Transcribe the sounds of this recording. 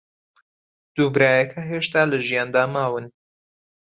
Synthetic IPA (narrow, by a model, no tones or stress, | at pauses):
d̪̥uːbɾaːjɐkʰɐɦeʃt̪aːlɐʒijaːnd̪aːmaːwɨn